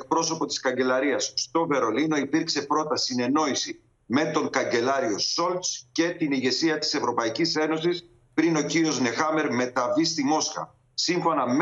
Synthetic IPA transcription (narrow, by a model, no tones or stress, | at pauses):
k̚pɾo̞so̞po̞t̪i̥skɐɲɟe̞lɐɾiɐsst̪o̞ve̞ɾo̞lino̞ipiɾkse̞pɾo̞t̪ɐsine̞no̞isi | me̞t̪o̞ŋkɐɲɟe̞lɐɾio̞so̞lt̪sce̞t̪iniʝe̞siɐt̪i̥se̞vɾo̞pɐicise̞no̞sis | pɾino̞ciɾio̞zne̞xɐme̞ɾme̞t̪ɐvist̪imo̞skɐ̰ | siɱfo̞nɐm